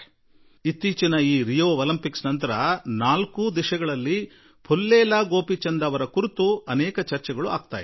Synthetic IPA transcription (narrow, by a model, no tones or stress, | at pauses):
it̪ːiːt͡ʃinɐiːɾijoːɐlɐmpiksnɐnt̪ɐɾɐnaːlkud̪iʃɐɡɐɭɐlːi | pʰolːɛːlaːɡo̞ːpit͡ʃɐnd̪ɐʋɐɾɐkuɾit̪uɐnɛːkɐt͡ʃɐɾt͡ʃɛɡɐɭua̰ːɡ̚t̪a̰ːj